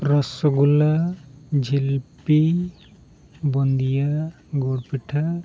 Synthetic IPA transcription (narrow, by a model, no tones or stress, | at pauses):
ɾɔsɔɡulad͡ʒʱilpi | bɔnd̪ija | ɡoɽpiʈʰa